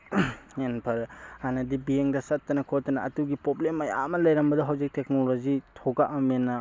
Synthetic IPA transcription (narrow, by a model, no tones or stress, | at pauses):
enpʰɐɾanɐdibieŋdɐsɐtːɐnɐkʰɔtːɐnɐːtuɡipɾoblemɐja̰mɐlɐjɾɐmbɐdɐɦawzik̚tek̚nolozitʰoɡaʔɐmenːɐ